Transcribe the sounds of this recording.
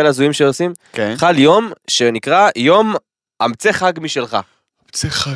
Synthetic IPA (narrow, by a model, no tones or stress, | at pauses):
elazujimʃeosim | keχaljo̞mʃe̞nikʁajo̞m | amt͡seχaɡmiʃelχa̰ | t͡sea